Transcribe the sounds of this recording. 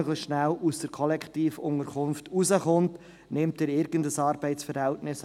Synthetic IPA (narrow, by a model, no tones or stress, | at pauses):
œɡlɪçʃnælusd̥əɾkʰɔlɛktiːfʊŋəɾkʰʊmftuzəχʊnt | nɪmtɛːɾɪɾɡ̥əndəsɑːɾb̥ɛɪsfəɾhɛltnɪs